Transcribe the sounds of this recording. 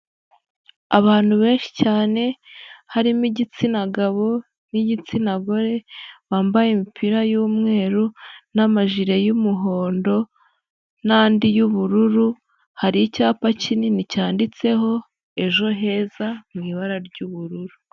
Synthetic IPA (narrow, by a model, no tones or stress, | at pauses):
aβaːn̥huβe̞ːnʃi̥caːne̞haɾimiɟit͡sinaɡaβo̞ | niɟit͡sinaɡo̞ɾe̞βaːmbajimipʰiɾajuːmŋe̞ːɾunamaʒiɾejumuɦo̞ːndo̞ | naːndijuβuɾuɾu | haɾijicaːpacininicaːndit͡se̞ɦo̞ | e̞ʒo̞ɦe̞ːzamŋiːβaɾaɾɟuβuɾuɾu